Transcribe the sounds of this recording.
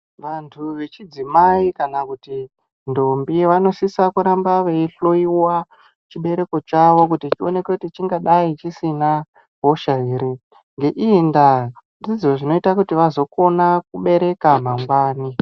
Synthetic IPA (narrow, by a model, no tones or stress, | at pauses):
ʋantʰuʋe̞t͡ʃid͡zimaikanakuti | ndombiʋano̞sisakuɾambaʋeiɬo̞iwa | t͡ʃiɓe̞ɾe̞ko̞t͡ʃaʋo̞k̬utit͡ʃio̞nekekutit͡ʃiŋɡaɗait͡ʃisina | ɦoʃaiːɾi | ŋɡe̞ʔinda | ndid͡ziweʐino̞itakutiʋazo̞ko̞nak̚uɓe̞ɾe̞kamaŋɡwaːni